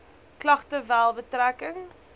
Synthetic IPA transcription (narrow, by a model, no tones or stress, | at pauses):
klɐχtəvælˠbətrækəŋ